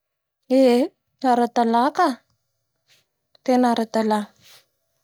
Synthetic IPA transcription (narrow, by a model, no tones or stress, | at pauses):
e | aɾat̪alaka | t̪enaɾat̪ala